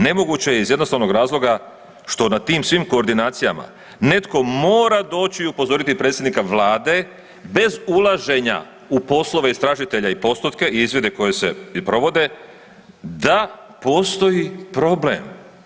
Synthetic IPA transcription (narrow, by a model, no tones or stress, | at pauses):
ne̞mo̞ɡut͡ɕe̞jeizjed̪nosaʋno̞ɡɾaːzlˠo̞ɡa | ʃt̪o̞nat̪iːmsʋimko̞ːɾd̪inaːt̪sijama̰ | ne̞t̪ko̞mo̞ːɾad̪o̞ːt͡ɕiupo̞zo̞ɾit̪ipɾeːt̪sjed̪nikaʋlˠaːd̪e̞ | be̞zulˠaʒe̞ɲa̰ | upo̞slˠo̞ʋeist̪ɾaːʒit̪e̞ʎaipo̞st̪ut̪ke̞ʔiizʋje̞d̪e̞ko̞je̞se̞̰pɾo̞ʋo̞d̪e̞ | d̪a | po̞ːst̪o̞jipɾo̞blem